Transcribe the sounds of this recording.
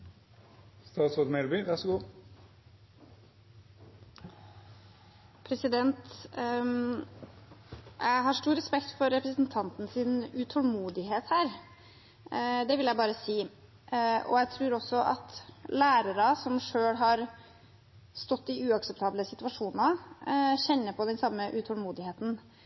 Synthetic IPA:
st̪ɑːt̪sod̪mɛlbyːʋæʂɔɡuː | pʰɾɛsɪd̪ɛnt̪ | jʔæɪɦɑʂtuːɾɛspɛkt̪fɔɾːɛpɾəsnt̪ʰɑnt̪n̩sɪnʉt̪ʰɔlmuːd̪ɪɦeːt̪hæːɾ | d̪ɛʋɪljæɪbɑːɾəsiː | ʔɔ̰jæt̪ʰɾʉːɾɔsɔʔɑ̰t̪læːɾəɾɑsɔmʂøːɽɦɑɾ | st̪ɔt̪ːɪʉːɑksɛpt̪ʰɑːbləsɪt̪ʋɑʂuːnnɑ | ɕɛnːəpʰɔd̪ɛnsɑmːəʔʉt̪ʰɔlmuːd̪ɪheːt̪n̩

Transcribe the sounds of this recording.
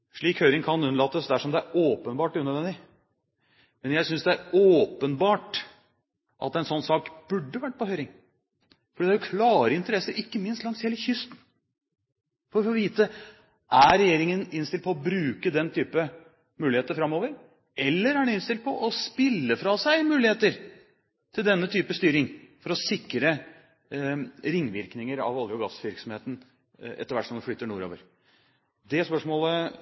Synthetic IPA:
ʂɭiːkhœʏɾɪŋkʰɑnʉnəɭɑt̪ːəsd̪æʂɔmd̪ɛæɾoːpənbɑːʈʉnœd̪ʋɛnd̪ɪ | mɛnjæɪsʏnsd̪ɛæɾoːpənbɑːʈ | ʔɑ̰t̪ɛnsɔnːsɑːkb̥ʉɖːəʋæʈ̚ːpɔhœʏɾɪŋ | fɔɖiːd̪æɾjʊkʰlɑːɾəɪnt̪əɾɛsːəɾɪkːəmɪnst̪lɑŋsheːləçʏst̪n̩ | fɔɾɔfɔːʋiːt̪ə | ʔæɾɛjeːɾɪŋənɪnst̪ɪlpʰɔɔbɾʉːkəd̪ɛnt̪ʰyːpə | mʉːlɪheːt̪əfɾɑmːoːʋəɾ | ɛlːəɾæɳɪnst̪ɪlt̪̚pʰɔʔɔspɪlːəfɾɑsæɪmʉːlɪheːt̪əɾ | t̪ʰɪld̪ɛnːət̪ʰyːpəst̪yːɾɪŋfɔɾɔsɪkɾə | ɾɪŋːʋɪɾknɪŋəɾɑ̰ʋɑld̪ɾɔɡɑsʋɪɾksɔmheːt̪n̩ | ɛ̰t̪ːəɾʋæʈːsɔmd̪ɛflʏt̪ːəɳuːɾo̰ːʋə̰ɾ | d̪ɛspœʂmoːlə

